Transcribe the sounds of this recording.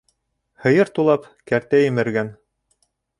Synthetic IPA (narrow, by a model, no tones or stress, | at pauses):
hɤ̆jɤɾt̪ulˠɑp | kæɾt̪æjɘ̆mɘ̆ɾɡæn